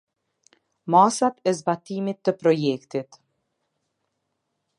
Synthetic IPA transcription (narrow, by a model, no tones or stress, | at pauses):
masat̪ɛzbat̪imit̪ːəpɾɔjɛkt̪it̪